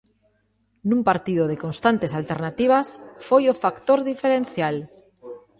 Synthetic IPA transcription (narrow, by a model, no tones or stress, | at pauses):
nũmpaɾt̪iðoð̞eko̞nst̪ant̪e̞salt̪eɾnat̪iβ̞asfojofakt̪oɾðifeɾẽ̞nθjal